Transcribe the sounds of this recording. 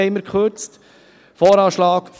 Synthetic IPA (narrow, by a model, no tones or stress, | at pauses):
ɛɪmːəkχøɾt͡st | fɔːɾɑːʃlɑːkf